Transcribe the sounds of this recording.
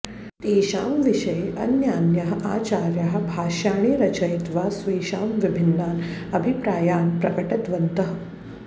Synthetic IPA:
t̪eːʃaːmʋiʃɐjɐ̰njaːnjɐɦɐʔa̰ːt͡ʃaːɾjɐɦɐ̆bʱaːʃaːɳ̃iːɾɐt͡ʃɐjt̪ʋaːsʋiːʃaːmʋibʱɪnːaːnɐbʱipɾaːjaːnpɾɐkɐʈɐd̪ʋɐnt̪ɐɦɐ̆

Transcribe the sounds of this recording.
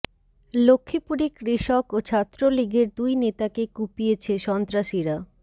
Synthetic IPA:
lokʰːipuɾekɾiʃɔkot͡ɕʰat̪ːɾoliɡeɾd̪ujnet̪akekupiet͡ɕʰeʃɔnt̪ɾaʃiɾa

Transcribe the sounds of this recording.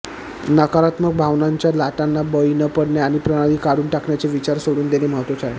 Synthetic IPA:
nəkaɾat̪məɡ̚bʱaʋnaɲt͡ɕjalaʈanːabəinəpəɽɳjaaɽ̃ipɾəɽ̃aɽiːkaɽuːnʈakɳjat͡seʋit͡ɕaɾsoɽuːnd̪eneməɦət̪ʋət͡saɦe

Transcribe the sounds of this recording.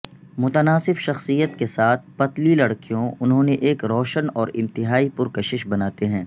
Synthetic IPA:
mʊt̪ənaːsɪbʃɐxsijət̪kesaːt̪̚ʰpɐt̪lilɐɽkijõʊnɦõneʔeːkɾɔːʃənɔːɾɪ̃nt̪ɪɦaːipʊɾkɐʃɪʃbɐnaːt̪eɦɛ̃ː

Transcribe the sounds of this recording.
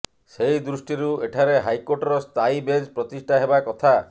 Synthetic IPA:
sejd̪ɾusʈiɾueʈʰaɾeɦajkoʈɔɾɔst̪ajbed͡ʒpɾɔt̪isʈʰaɦebakɔt̪ʰa

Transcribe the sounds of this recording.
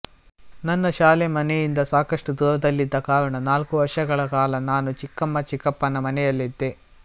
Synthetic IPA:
nɐnːɐʃaːlemɐnɛjind̪ɐsaːkɐʂʈud̪uːɾɐd̪ɐlːid̪ːɐkaːɾɐɳɐnaːlkuʋɐɾʂɐɡɐɭɐkaːlɐnaːnut͡ʃikːɐmːɐt͡ʃikːɐpːɐnɐmɐnɛjɐlːid̪ːe

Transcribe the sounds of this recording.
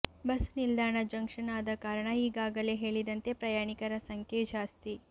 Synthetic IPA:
bɐsunild̪ʱaːɳɐd͡ʒɐŋkʂɐnaːd̪ɐkaːɾɐɳɐiːɡaːɡɐleɦeːɭid̪ɐnt̪epɾɐjaːɳikɐɾɐsɐŋkʰed͡ʒaːst̪i

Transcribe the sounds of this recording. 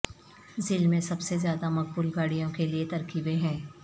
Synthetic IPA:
zɪlmẽsɐbsezjaːd̪amɐk̚buːlɡaːɽijõkeliet̪ɐɾkiːbẽɦɛ̃ː

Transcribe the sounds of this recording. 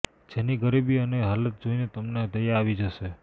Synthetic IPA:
d͡ʒeniɡəɾibiəneɦalət̪̚d͡ʒoinet̪əmned̪əjaːʋid͡ʒəʃe

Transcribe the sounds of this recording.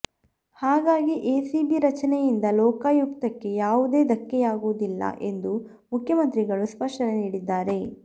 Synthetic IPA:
haːɡaːɡiʔeːsibiɾɐt͡ʃɐnɛjind̪ɐlɔːkaːjukt̪ɐkːe̞jaːʋud̪e̞ːd̪ɐkːɛjaːɡud̪ilːɐ̰ʔe̞nd̪u | mukʰjɐmɐnt̪ɾiɡɐɭuspɐʂʈɐneniːɽid̪ːaːɾe̞

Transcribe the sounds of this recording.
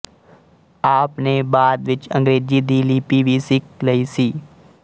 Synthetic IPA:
aːpnebaːd̪ʋɪt͡ʃə̃ŋɡɾeːd͡ʒiːd̪iːliːpiʋʱiːsɪkləiːsiː

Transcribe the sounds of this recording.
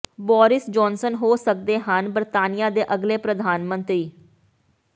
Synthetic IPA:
bɔːɾɪsd͡ʒɔːnsənɦoːsək̚d̪eːɦənbəɾt̪aːnijaːd̪eːʔəɡleːpɾəd̪ʱaːnmə̃nt̪ɾiː

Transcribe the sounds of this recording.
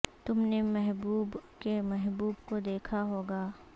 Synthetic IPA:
t̪ʊmnemɛɦbuːbkemɛɦbuːbkod̪eːkʰaɦoːɡaː

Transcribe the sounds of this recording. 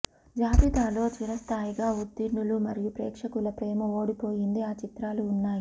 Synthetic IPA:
d͡ʒaːbid̪aːlo̞ːt͡ʃiɾɐst̪ʰaːjiɡaːud̪ːiɾɳulumɐɾijupɾɛ̰ːkʂɐkulɐpɾeːmɐo̞ːɽipo̞ːjind̪iaːt͡ʃit̪ɾaːluːnːaːji

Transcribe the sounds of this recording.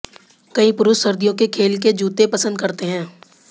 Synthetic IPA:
kɐĩpʊɾʊʃɐɾd̪ijõkekʰeːlk̬ed͡ʒuːt̪epɐsə̃nd̪kɐɾt̪eɦɛ̃ː

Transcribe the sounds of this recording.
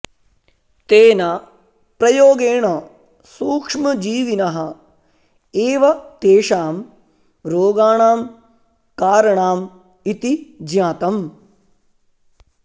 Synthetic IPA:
t̪eːna | pɾɐjoːɡeːɳɐ | suːkʂmɐd͡ʒiːʋinɐɦɐ̆ | eːʋɐt̪eːʂaːm | ɾoːɡaːɳaːm | kaːɾɐɳaːm | it̪id͡ʒjaːt̪ɐm

